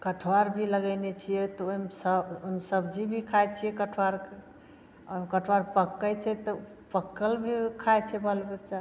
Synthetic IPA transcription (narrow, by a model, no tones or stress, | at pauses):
kəʈʰwaɾbʱiləɡənet͡ʃʰijɛt̪ɔomsəbomsəbd͡ʒibʱikʰajt͡ʃʰijɛkəʈʰwaɾke | əmkəʈʰwaɾpəkːəjt͡ʃʰɛt̪ɔ | pəkːəlbʱikʰajt͡ʃʰɛbʱəlbet͡ʃa